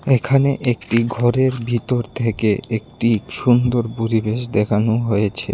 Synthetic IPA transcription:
ekʰaneʔekʈiɡʱɔɾeɾbʱit̪oɾt̪ʰekeek̚ʈiʃund̪oɾpuɾibeʃd̪ekʰanoɦojet͡ɕʰḛ

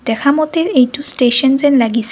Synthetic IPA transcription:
d̪̥ɛkʰamɔt̪eɾejʈusʈeʃɔnzenlaɡisʰ

